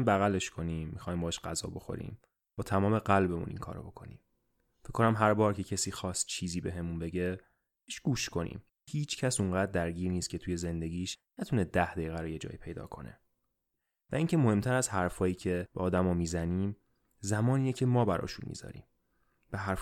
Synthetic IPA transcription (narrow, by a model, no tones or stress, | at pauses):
mbæɣæleʃkʰo̞niːmːixɒːjimbɒːʃɢ̥æzɒ̰ːbo̞xo̞̰ɾḭːm | b̥ɒːt̪ʰæmɒːme̞ɣælbe̞mṵnʔḭŋkʰɒ̰ːɾo̰bo̞kʰo̞̰nḭːm | ficʰkːonæmɦæɾbɒːɾcʰe̞cʰesiːxɒːst̪̚t͡ʃʰiːziːbe̞ɦe̞munbe̞ɟe | eʃɡ̥uːʃkʰo̞nḭːm | hiːt͡ʃʰcʰæsuŋɢæːd̪̚ːæɾɟiːɾniːst̪cʰe̞t̪ʰuːje̞ze̞nd̪e̞ɟiːʃnæt̪ʰuned̪æhd̪ejeɣæɾojed͡ʒɒ̰ːjiːpʰe̞jd̪ɒ̰ːkʰo̞̰nḛ | væʔiːŋcʰe̞mo̞he̞mt̪ʰæɾæzhæɾfɒːjiːcʰe̞b̥eɒːd̪æmɒːmiːzæniːm | zæmɒːniːnecʰemɒːbæɾɒ̰ːʃunmḭːz̥ɒ̰ɾḭːm | b̥eɦæɾf